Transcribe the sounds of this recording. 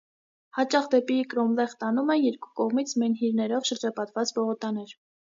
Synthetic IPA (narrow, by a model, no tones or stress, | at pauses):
hɑt͡ʃɑχd̪ɛpikɾɔmlɛχt̪ɑnumɛjɛɾku̥kɔʁmit͡sʰmɛnɦiɾnɛɾɔvʃəɾd͡ʒɑpɑt̪vɑt͡sbɔʁɔt̪ɑnɛɾ